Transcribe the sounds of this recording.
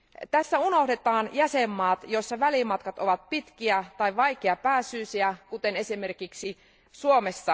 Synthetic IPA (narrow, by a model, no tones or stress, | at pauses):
t̪æsːæuno̞ɦde̞t̪ɑːnjæsemːɑːt̪jo̞sːɑʋælimɑt̪kɑt̪o̞ʋɑt̪̚pit̪k̟iæt̪ɑjʋɑjkeɑpæːsyːsiækut̪e̞ne̞sime̞rkiksi | suomesːɑ